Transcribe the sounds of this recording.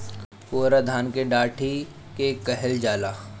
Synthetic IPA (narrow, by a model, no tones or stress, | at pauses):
poːɾad̪ʱaːnkeɖaːʈʰi | kekəɦɛld͡ʒaːlaː